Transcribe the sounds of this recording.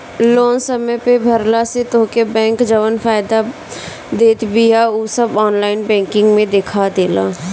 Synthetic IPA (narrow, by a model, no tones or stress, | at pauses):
loːnsəməjpebʱəɾlaset̪oːkebɛ̃ːŋkd͡ʒəʋənfʰaːɪd̪a | d̪eːt̪bɪjauːsəbɔːnlaːɪnbɛ̃ːŋkɪ̃ŋɡmẽd̪ekʰad̪eːla̰ː